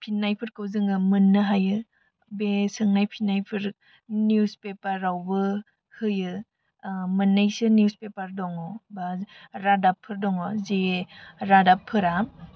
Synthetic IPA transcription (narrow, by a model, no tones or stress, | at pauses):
pʰinːajpʰɯɾkɯwzɯŋɯmɯnːɯɦajɯ | besɯŋnajpʰinajpʰɯɾ | njuspepaɾːawbɯ | hɯjɯ | mɯnːajsɯnijuspepaɾdɔŋɔbaɾadapʰːɯɾdɔŋɔzeɾadapʰːɯɾam